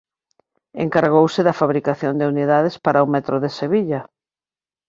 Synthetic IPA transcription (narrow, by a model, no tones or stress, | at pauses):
ḛŋkaɾɣowsɪðɐfaβɾikaθjond̪euniðaðespaɾaumɛt̪ɾoðeseβiʎɐ